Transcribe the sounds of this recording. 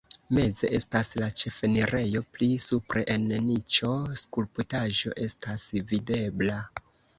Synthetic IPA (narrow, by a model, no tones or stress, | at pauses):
me̞d͡zeʔe̞staslat͡ʃe̞fe̞niɾe̞jo̞plisupɾe̞ʔennit͡ʃo̞skulputaʒo̞̰ʔe̞stasvide̞bla